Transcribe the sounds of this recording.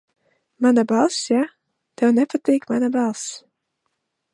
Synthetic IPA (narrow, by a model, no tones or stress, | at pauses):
manabalˠsja | d̥ownɛfətikmanabalˠs